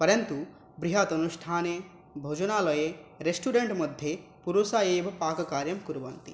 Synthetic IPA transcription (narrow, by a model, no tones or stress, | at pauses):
pɐɾɐnt̪u | bɾiɦɐt̪ɐnuʂʈʰaːne | bʱoːd͡ʒɐnaːlɔjeɾesʈuːɖeɳʈmɐd̪ʱje | puɾusaːjeːbɐpaːkɐkaːɾjɐmkuɾuʋɐnt̪ḭ